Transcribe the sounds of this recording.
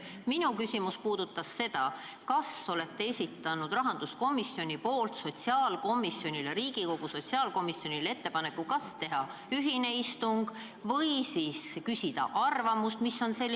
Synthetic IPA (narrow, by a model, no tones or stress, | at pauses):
minukysʲimuspuːd̪̥ut̪ːɑsːe̞d̪̥ɑ | kɑsole̞t̪ːe̞esʲit̪ːˑɑnud̪rɑɦɑnd̪̥usko̞misːio̞nʲipo̞ːlt̪so̞t̪ʲsiɑːlko̞misjo̞nʲileɾiːɡ̥iko̞ɡ̥uso̞t̪siɑːlko̞misio̞nʲilee̞t̪ːe̞pɑne̞kːˑukɑst̪e̞ɦɑ | yɦine̞ist̪uŋɡ̥ | vɤ̞jsiːskysʲid̪̥ɑ̰ʔɑrvɑmust̪misːo̞nse̞lː